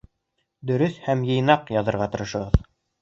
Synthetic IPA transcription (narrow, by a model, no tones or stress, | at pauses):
d̪ɵ̆ɾɵθhæmjɤ̆jnɑqjɑðɤ̆ɾʁɑt̪ɤ̆ɾɤ̆ʃɤ̆ʁɤð